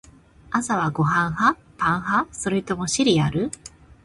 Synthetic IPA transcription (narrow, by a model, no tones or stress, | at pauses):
asaβ̞aɡo̞ɦãɰ̃ɦa | pãɰ̃ɦaso̞ɾet̪o̞mo̞ɕiɾʲiaɾɯ̟